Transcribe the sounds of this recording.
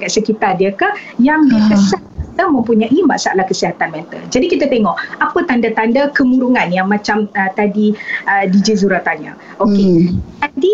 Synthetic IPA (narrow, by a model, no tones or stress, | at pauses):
kaʔ̪səkit̪ardiəkajaŋbəkəsa | it̪amə̃mpuɲaʔima̰ʔsaalahkəsiɦat̪anmɛnt̪ə̰ld͡ʒadikit̪at̪eŋɔʔapət̪andat̪andakəmũɾuŋanjaŋmãt͡ʃamət̪adiədid͡ʒizuɾat̪aɲa̰ | ʔoket̪adi